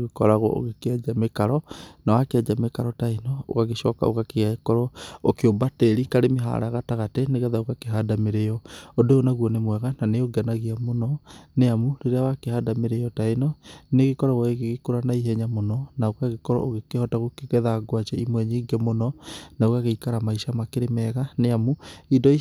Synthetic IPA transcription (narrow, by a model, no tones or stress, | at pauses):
ɣekɔɾaɣɔ̰o̰ɣekead͡ʒamekaɾɔnawakead͡ʒamekaɾɔtainɔo̰ɣaɣeʃɔka̰o̰kakeakɔɾɔokeobateɾikaɾemeɦa̰ɾa̰ɣataɣateneɣɛðaoɣakeɦadameɾejɔodoonaɣwɔnemwɛɣananeoɡanaɣiamonɔneamuɾeɾeawakehaːdameɾejɔtainɔneɣekɔɾɔɣaɣeɣeɣekoɾanaiɦɛɲamonɔnaokaɣekɔɾɔ̰oɣekehɔtaɣokeɣɛðaɡwat͡ʃɛimwɛɲiːɡɛmonɔnaoɣaɣeikaɾamaiʃamakeɾemɛɣaneamuidɔi